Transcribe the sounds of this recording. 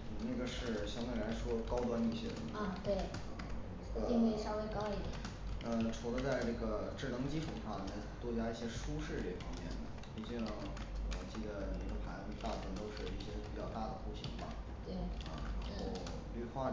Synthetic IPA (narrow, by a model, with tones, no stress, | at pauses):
na˥˩ɡə˩ʂɻ̩˥˩ɕjɑ˥ŋt̪we˥˩la˧˥ɪʂwɔ˥kɑ˥ʊt̪wa˥ni˥˩ɕjɛ̰˥ɻə̰˧˩˦n˥˧t̪we˥˩ɪ | ə˧˩i˥˧ŋwe˥˧ɪʂɑ˥ʊwe˥ɪkɑ˥ʊi˥˩d̪jɛ˩˨˩ | ə˥˧ʈ͡ʂʰu˧˥lə˧t͡sa˥˧ɪʈ͡ʂɤ˥˩ɡə˩ʈ͡ʂɻ̩˥˩nɤ˧˥ŋt͡ɕi˥ʈ͡ʂʰu˨˧˩ʂa˥˧mjɛ˥˩nt͡swɔ˥˧˩t͡ɕja˥i˥˩ɕjɛ˥ʂu˥ʂɻ̩˥˧˩ɛ˥˩pʰɑ˧˥ŋmjɛ̰˥˩nd̪ə̰˩ | pi˧˥˩t͡ɕɛ˥˧nə˧˥˩ | wɔ˨˩t͡ɕi˥˩d̪ə˩ne˨˥˩ɡə˧˩pʰa˧˥ɪt͡sə˥˧t̪a˥˩fwə˧˥nt̪o˥ʊʂɻ̩˥˧i˥˩ɕjɛ˥pi˨˩t͡ɕjɑ˥˧ʊt̪a˥˩d̪ə˩xu˥˩ɕḭ˧˥bɐ˧˩ | t̪we˥˩ɪɐ̰˧˩˧xo˥˧˩ʊ | ly˥˧˩xwa˥˩